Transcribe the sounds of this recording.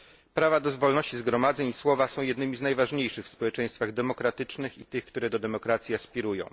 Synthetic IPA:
pɾavad̪ɔzvɔlnɔɕt͡ɕizɡɾɔmad̪zɛɲiswɔvasɔ̃w̃jɛd̪nɘmʲiznajvaʐɲejʂɘxfspɔwɛt͡ʂɛ̃j̃st̪faɣd̪ɛmɔkɾat̪ɘt͡ʂnɘxit̪ɘxkt̪uɾɛd̪ɔd̪ɛmɔkɾat̪sʲjiaspʲiɾujɔ̰̃w̃

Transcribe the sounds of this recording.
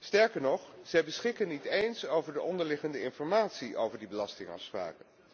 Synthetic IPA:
stɛɹkəɹnɔχz̥ɛjbəsχɪkənitejnsowvəɹdəʔɔndəɹlɪχəndəɪnfɔɹmaːtsiʔo̰wvəɹdibəlɑstɪŋɑ̰fspra̰ːkən

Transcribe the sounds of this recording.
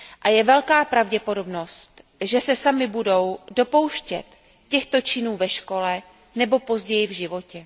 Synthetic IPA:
ʔajɛvɛlkaːpɾavɟɛpo̞do̞bno̞st̪ | ʒɛsɛsamɪbudo̞wdo̞po̞wʃcɛ̰t̪ | cɛxt̪o̞t͡ʃɪnuːvɛʃko̞lɛ | nɛbo̞po̞zɟɛjɪvʒɪvo̞cɛ

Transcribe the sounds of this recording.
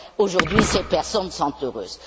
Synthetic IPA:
oʒuʁd̪ɥisepɛʁsɔnsɔ̃t̪øʁøːz̥

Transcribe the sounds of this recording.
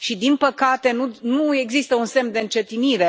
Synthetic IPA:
ʃid̪inpəkat̪e̞nunue̞ɡzist̪əunse̞md̪eɨnt͡ʃe̞t̪iniɾe

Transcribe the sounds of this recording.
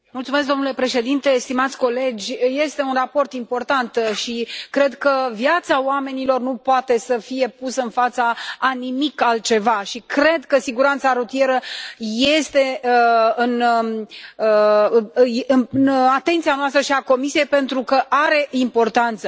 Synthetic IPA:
mult̪sumesk̚d̪onule̞pɾe̞ʃe̞d̪int̪e̞st̪imat̪sʲko̞le̞d͡ʒʲje̞st̪e̞unrapo̞rt̪impo̞rt̪ant̪ʃikɾe̞d̪kəvjat̪saoame̞nilo̞rnupoat̪e̞səfije̞pusəɨnfat̪səanimikalt̪̚t͡ʃe̞vaʃikɾe̞d̪kəsiɡuɾant̪saɾut̪ie̞ɾəje̞st̪e̞ | ɨn | ə | ɨɨnat̪e̞nt̪sianoast̪ɾəʃiako̞misije̞jpe̞nt̪ɾukəʔaɾe̞impo̞rt̪ant̪sə

